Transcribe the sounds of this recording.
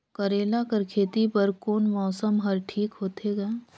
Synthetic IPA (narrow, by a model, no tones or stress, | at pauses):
kɐɾeːlakɐɾkʰeːt̪ipɐɾkoːnmɔːsəmɦɐɾʈʰiːkɦoːt̪ʰeɡɐe